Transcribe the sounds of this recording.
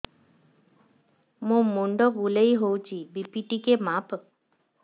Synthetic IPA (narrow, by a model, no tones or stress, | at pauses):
mũmuɳɖɔbulejɦowt͡ʃʰibipiʈikemap